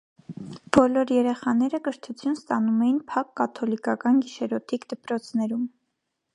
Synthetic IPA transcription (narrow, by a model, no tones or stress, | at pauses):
b̥ɔlɔɾjɛɾɛχɑnɛɾəkəɾt̪ʰut͡sʰjunst̪ɑnumɛjinpʰɑkːɑt̪ʰɔlikɑkɑnɡiʃɛɾɔt̪ʰikd̪əpɾɔt͡sʰnɛɾum